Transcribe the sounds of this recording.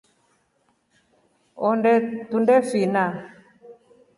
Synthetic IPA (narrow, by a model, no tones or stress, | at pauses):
ɔndɛtundɛfina